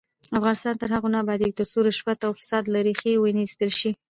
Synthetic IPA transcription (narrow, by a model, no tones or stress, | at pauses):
afɣɑnɪst̪ɑnt̪əɾɦaɣonɑbɑd̪ik̚d̪əsuɾoʃpat̪awfɪ̥sɑd̪laɾixewənist̪əlʃi